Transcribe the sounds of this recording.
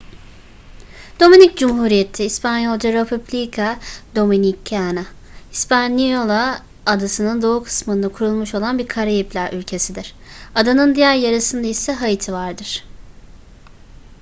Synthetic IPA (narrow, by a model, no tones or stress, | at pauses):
d̪̥o̞minic̚d͡ʒumɦuːɾije̞t̪ʰiːspʰanjolˠd͡ʒaɾepʰublʲikʰad̪o̞minikʰːana | ispʰanijo̞lˠaː | d̪asɯnɯnd̪o̞ukʰɯ̥smɯnɯkʰuɾulˠmuʃo̞lˠanbiɾkʰaɾajiplʲæɾylʲcʰe̞sid̪iɾ̥ | ad̪anɯnd̪ijæɾjaɾɯsɯnd̪aisɛɦajit̪ʰivaɾd̪ɯɾ̥